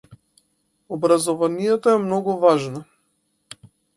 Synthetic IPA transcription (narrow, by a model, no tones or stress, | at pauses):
ɔbɾazɔvanijɛt̪ɔɛmnɔɡuvaʒna